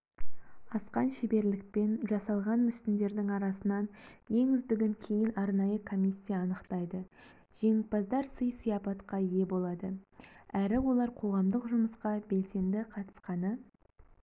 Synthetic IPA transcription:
ɑsqɑnʃebe̞ɾlɪk̚pe̞nʒɑsɑlˠʁɑnmʏst̪ɪnd̪e̞ɾd̪ɪŋɑɾɑsənɑnje̞ŋʏzd̪ɪɡʲɪŋkʲʰe̞jɪnɑɾnɑjəkʰo̞mʲisʲːijaːnəqt̪ɑjd̪ə | ʒ̥e̞ŋɪk̪̚pɑzd̪ɑɾsəjsijɑpɑt̪qɑje̞bo̞lˠɑd̪əæɾɪwo̞lˠɑɾqʰo̞ʁɑmd̪əqʒʊməsqɑbe̞lse̞nd̪ɪqʰɑt̪ə̥sqɑnə

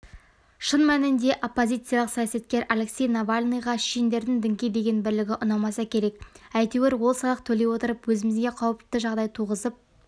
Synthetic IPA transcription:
ʃənmænɪnd̪e̞ʔo̞pːo̞zʲijt̪sɨjalˠəqsɑjasɑt̪̚kʲe̞ɾʔalʲe̞ksʲe̞jnavalʲnijʁɑʃijɪnd̪e̞ɾd̪ɪŋd̪ɪŋkʲejd̪e̞ɡʲe̞nbɪɾlɪɡʲɪʔʊnɑmɑsɑkʲʰe̞ɾe̞kæjt̪eweɾwo̞lˠsɑlˠəqt̪ʰɵle̞wo̞t̪əɾəpwɵzɪmɪzɡʲeqʰɑwəp̪̚ːɪʒɑʁd̪ɑjt̪ʰuʁəzəp̚

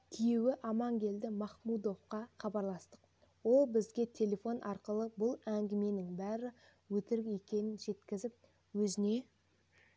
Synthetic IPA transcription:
t̪ʰijewɪʔɑmɑŋɡʲe̞ld̪ɪmɑχmud̪o̞fqɑχɑbɑɾlˠɑst̪əq | wo̞lˠbɪzɡʲe̞t̪ʲʰe̞lʲe̞fo̞nʔɑɾqəlˠəbʊlˠæŋɡʲɪme̞nɪŋbæɾɪ | wɵt̪ɪɾɡʲjekʲe̞nɪnʒe̞t̪kʲɪzɪp̚ | wɵzɪne̞

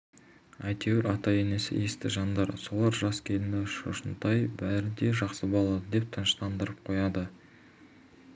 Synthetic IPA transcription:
ɑjt̪ʰeweɾʔɑt̪ɑje̞ne̞sɪ̰ʔest̪ɪ̰ʒɑnd̪ɑɾso̞lˠɑɾʒɑskʲʰe̞lɪnɪʃo̰ʃənt̪ɑjbæɾɪd̪e̞ʒɑqsəbolˠɑd̪əd̪e̞p̚t̪ʰənəʃt̪ɑnd̪əɾəp̚qʰo̞jɑd̪ə

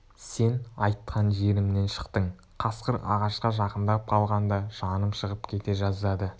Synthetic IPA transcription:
se̞nɑjt̪qʰɑnʒe̞ɾɪmne̞nʃə̥qt̪əɴ | qʰɑsqəɾɑ̰ʁɑʃqɑʒɑqənd̪ɑp̚qʰɑlˠʁɑnd̪ɑʒ̥ɑnəmʃəʁəpkʲʰe̞t̪e̞ʒɑzd̪ɑd̪ə

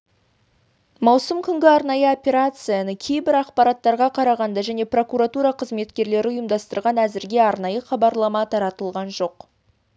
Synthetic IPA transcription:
mɑwsəmkʲʰʏŋɡʲɪɑɾnɑjəo̞pʲe̞ɾat̪sɨjanəkʲʰe̞jbɪɾɑqpɑɾɑt̪ːɑɾʁɑqʰɑɾɑʁɑnd̪ɑʒæne̞pro̞kuɾat̪uɾɑqʰəzme̞t̪kʲe̞ɾle̞ɾɪʊjəmd̪ɑst̪əɾʁɑnæzɪɾɡʲe̞ɑɾnɑjəχɑbɑɾlˠɑmɑt̪ʰɑɾɑt̪əlˠʁɑnʒo̞q

